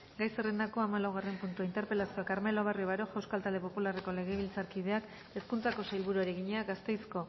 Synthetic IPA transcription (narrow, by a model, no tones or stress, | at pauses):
ɡajserend̪ako̞amalawɣ̞are̞mpunt̪uaint̪e̞ɾpe̞lasioakaɾme̞loβ̞arioβaɾo̞ʝawskalt̪ald̪e̞po̞pulare̞ko̞le̞ɣe̞β̞ilt͡saɾkið̞e̞ak | e̞skunt͡sako̞sajlβ̞uɾuaɾeɣ̞iɲeaɡast̪e̞jsko̞